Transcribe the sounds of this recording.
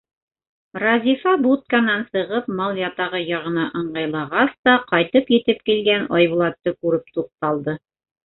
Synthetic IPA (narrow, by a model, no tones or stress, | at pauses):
rɑzʲifɑbut̪̚kanɑnsɤ̆ʁɤpmɑlˠjɑt̪ɑʁɤjɑʁɤ̆nɑʔɤ̆ɴɢɑjlˠɑʁɑst̪ɑqɑjt̪ɤpjɘ̆t̪ɘpkilɡænɑjβulˠɑt̪ːɤkʉɾɘp̚t̪uq̚t̪ɑlˠd̪ɤ